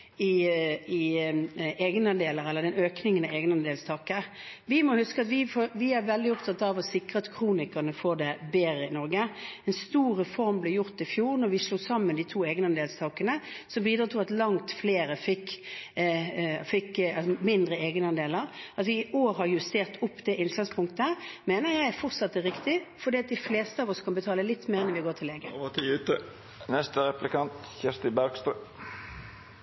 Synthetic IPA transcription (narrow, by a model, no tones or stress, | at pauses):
ɪɪ | eːɡnɑnd̪eːləɾɛlːəd̪ɛnøːknɪŋənɑeːɡnɑnd̪eːlst̪ʰɑːkəɾ | ʋɪmɔhʉskəɑt̪ʋɪfɔʋɪæɾʋɛld̪ɪɔp̚t̪ʰɑt̪ːɑʋɔsɪkʁət̪kʰʁuːnɪkənəfɔd̪ɛbeːɾəɪnɔɾɡəɛnst̪uːɾəfɔɾmblɛːjʊʁt̪ɪfjuːʁnɔɾʋɪsluːsɑmːənd̪ɪt̪ʰuːeːɡnəɑnd̪eːlst̪ʰɑːkənəsɔmbiːd̪ʁɑt̪ʰuːɑt̪lɑŋt̪fleːɾəfɪkː | fɪkːɑsɔmɪnd̪ɾəeːɡnəɑnd̪eːləʁɑt̪ʋɪɪʔoːɾʁəhɑʁjʉst̪eːʁt̪ʊpːd̪ɛʔɪnslɑnspʰʊŋkt̪əəmeːnəjæɪæɾfɔʁt̪sɑt̪ːəɾɪkt̪ɪfɔd̪iːɑt̪̚d̪ɪfleːst̪əɑːʋɔskʰɑnbət̪ʰɑːləlɪt̪ːmeːʁɛnʋɪɡoːt̪ʰɪlːeːɡət̪ʰːt̪ə | nɛst̪əɾɛplɪkʰɑnt̪çɛst̪ɪbæʁɡst̪ʁʉː